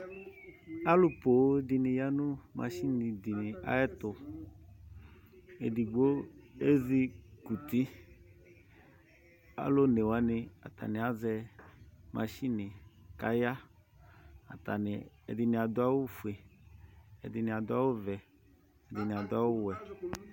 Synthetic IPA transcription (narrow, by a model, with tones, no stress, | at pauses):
a˦lʊ˦po˨˦d̪i˨nɪ̃˨ja˦nʊ̃˦mã̰˨ʃi˦nɪ̃˨di˨nɪ˨a̰˦ɛ˦t̪ʊ˨ | e˨di˨ɡ͡bo˦e˦zi˦ku˨t̪i˦ | a̰˦lo˦ne˨wa˦nɪ˨a̰˨t̪a̰˨nɪ̃˨a˦zɛ˦ | mʔã˨ʃi˦nɪ̃˨ka˦ja˦ | a̰˨t̪a˨nɪ˨ | ɛ̰˨dɪ˨nɪ̃˨a˨d̪ʊ˦a˦wʊ˦fu˨e˨ | ɛ̰˨dɪ˨nɪ̃˨a˨d̪ʊ˦a˦wʊ˦vɛ˨ | ɛ˨dɪ˨nɪ̃˨a˨d̪ʊ˦a˦wʊ˦wɛ˨